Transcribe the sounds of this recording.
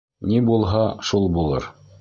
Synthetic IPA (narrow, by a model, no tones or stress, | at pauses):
nibulˠɦɑʃulˠbulˠɤ̰ɾ